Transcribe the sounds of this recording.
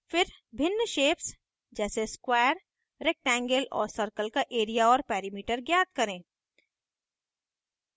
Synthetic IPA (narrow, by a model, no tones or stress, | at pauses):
fɪɾ | bʱɪnːəʃeːps | d͡ʒɛːseskwaːjəɾ | ɾek̚ʈɛ̃ːŋɡəlɔ̰ːɾsəɾkəlkaʔeːɾijaɔːɾpɛːɾimiːʈəɾɡjaːt̪̚kɐɾẽː